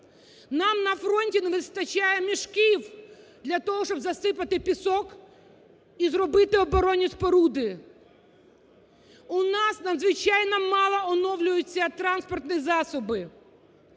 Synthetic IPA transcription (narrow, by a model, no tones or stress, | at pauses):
nɑmnɐfɾɔnʲtʲinɛʋɪst̪ɐt͡ʃajɛmʲiʃkiw | d̪lʲɐt̪ɔɦɔʃɔbzɐsɪpɐt̪ɪpʲisɔk | izɾɔbɪt̪ɪɔbɔɾɔnʲːisʲpɔɾud̪ɪ | ʊnɑsnɐd̪zʋɪt͡ʃajnɔmɑlˠɐɔnɔwlʲʊjʊt͡sʲːɐt̪ɾɑnspɔrt̪nɨjizɑsɔbɪ